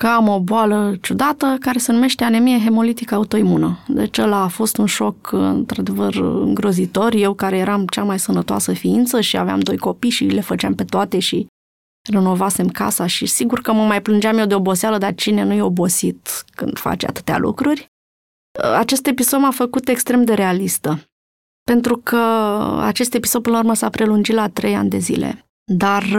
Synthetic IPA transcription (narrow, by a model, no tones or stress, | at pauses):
kəamo̞boalət͡ʃud̪at̪əkaɾe̞se̞nume̞ʃt̪e̞anemijeɦe̞mo̞lit̪ikəaut̪o̞imunəd̪et͡ʃelaːfo̞st̪unʃo̞kɨ̰nt̪ɾad̪e̞vərɨ̰ŋɡɾo̞zit̪o̞rje̞wkaɾe̞je̞ɾamt͡ʃamajsənət̪oa̰səfiint̪səʃia̰vea̰md̪o̞jko̞pijʃile̞fət͡ʃeampe̞t̪oat̪e̞ʃi | reno̞vase̞mka̰saʃisiɡurkəməmajplɨnd͡ʒeamjewd̪eo̞bo̞sealəd̪art͡ʃine̞nujeo̞bo̞sit̪kɨnd̪̥fa̰t͡ʃa̰t̪ɨ̥t̪ea̰lʔṵkɾurʲ | at͡ʃe̞st̪e̞piso̞d̪mafəkut̪e̞kst̪ɾe̞md̪e̞ɾe̞alist̪ə | pe̞nt̪ɾukʰəa̰t͡ʃe̞st̪e̞piso̞d̪̚pɨnləurməsapɾe̞lund͡ʒit̪lat̪ɾe̞ja̰nʲd̪e̞zḭle̞̰ | d̪ar